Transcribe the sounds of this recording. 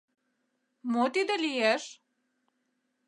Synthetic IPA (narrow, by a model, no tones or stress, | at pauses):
mot̪id̪ɘ̆lijæʃ